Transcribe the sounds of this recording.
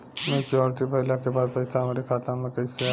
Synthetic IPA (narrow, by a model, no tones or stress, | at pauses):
med͡ʒɔɾiʈibʱəɦɪlakebad̪pəɪsaɦəmɾekʰat̪amekəɪse